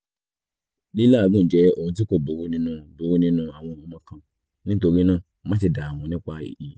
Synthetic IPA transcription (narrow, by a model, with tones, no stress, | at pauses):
li˦la˦˨ɡũ˦˨n̩˨d͡ʒɛ˦o˦˨ũ˨˧t̬i˦ko˦˨bo˨˦ɾu˨˦nĩ˦nũ˧bu˨˦ɾu˦nĩ˦nũ˧a˨w̃ɔ̃˧˨ũ˨˦ã˦kã˧ | nĩ˦to˧ɾi˦nãː˦˨ | mã˦t̬i˧da˨a˨w̃ɔ̃˨˧nĩ˦k͡pa˧ḭ˨i˨˦